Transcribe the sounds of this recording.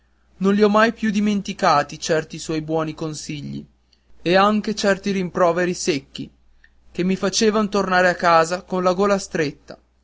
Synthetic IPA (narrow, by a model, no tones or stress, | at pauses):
nõnliɔmːajpjud̪iment̪ikaːt̪it͡ʃɛrt̪iswɔjbwɔːnikonsiʎːḭ | eaŋk̟et͡ʃɛrt̪iɾimpɾɔːveɾisekːḭ | k̟emːifat͡ʃeːvanot̪ornaːɾeakːaːzakonlaɡoːlast̪ɾet̪ːa̰